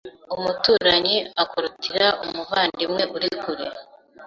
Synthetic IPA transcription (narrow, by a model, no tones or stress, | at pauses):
umutuːɾaɲiakoɾutiɾaumuβaːndimŋe̞ʔuɾikuɾe